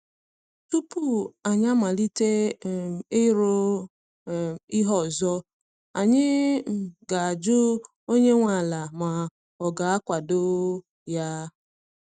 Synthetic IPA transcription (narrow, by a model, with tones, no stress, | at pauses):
tu˦pu˦˨a˨ɲa˦ma˨li˦te˦ | e˦ɾo˦ | i˦ɦɔ˦˨zɔ˦ | a˨ɲɪ˦˨ | ɡa˨a˨d͡ʒʊ˦ | o˦ɲe˦ŋʷa˨la˨ma˨ | ɔ˨ɡa˨a˦kʷa˨do˦ | ja˦